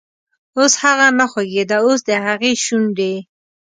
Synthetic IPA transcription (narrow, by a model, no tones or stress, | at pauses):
oshaɣanaxeɡed̪aosd̪əɦaɣeʃund̪e